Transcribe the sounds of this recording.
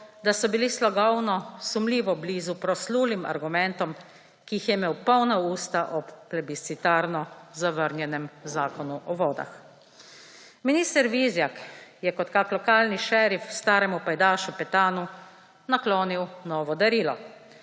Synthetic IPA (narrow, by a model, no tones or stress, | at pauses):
d̪asɔbilislɔɡɔwnɔsumliːʋɔbliːzupɾɔsluːlima̰ɾɡumɛnt̪ɔm | kiixjɛmeːwpɔwnauːst̪aʔɔpːlɛbisit̪aːɾnɔzaʋəɾnʲjɛnɛmzaːkɔnuʔɔʋɔːd̪a̰x | miniːst̪ɛɾʋizjakjɛkɔt̪kaklɔkaːlniʃɛɾifwst̪aːɾɛmupajd̪aːʃupɛt̪aːnu | naklɔːniwnɔːʋɔd̪aɾiːlɔ